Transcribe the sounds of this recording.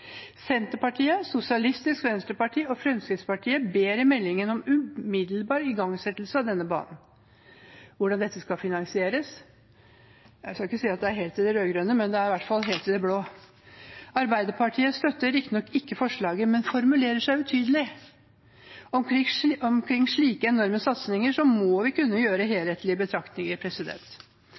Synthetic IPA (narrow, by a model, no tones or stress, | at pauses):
sɛnt̪əɾpɑʈʰiːəsʊsɪɑlɪst̪ɪskʋɛnst̪əɾpɑʈʰiːɔfɾɛmskɾɪt̪spɑʈʰiːəbeːɾɪmɛlːɪŋənɔmʉmɪd̪lbɑːɾɪɡɑŋsɛt̪lsəɑd̪ɛnːəbɑ̰ːnn̩ | ʋʊɖɑnd̪ɛt̪ːəskɑfɪnɑŋsɪeːɾəs | jæskɑɪkːəsiːɑt̪̚d̪ɛæɾɦeːlt̪ɪd̪ɛɾøːɡɾœnəmɛnd̪ɛæɾɪʋæʈfɑlɦeːlt̪ːɪd̪ɛbloː | ɑɾbæɪd̪əɾpʰɑʈʰiːəst̪œt̪ːəɾɪkt̪nɔkːɪkːəfɔʂɭɑːɡəmɛnfɔɾmʉleːɾəʂæɪʉt̪ʰyːd̪əlɪ | ɔɔmkʰɾɪŋːʂɭiːkəɛnɔɾməsɑt̪snɪŋəʂɔmɔʋɪkʉnːəjøːɾəɦeːlheːt̪ʰlɪbət̪ʰɾɑkt̪nɪŋəpʰɾɛsɪd̪ɛ̰nt̪